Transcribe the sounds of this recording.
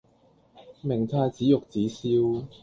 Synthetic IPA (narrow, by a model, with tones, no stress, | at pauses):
mɪ˨˩ŋt̪ʰaː˧t͡siː˨˥jʊ˨k̚t͡siː˨˥siː˧w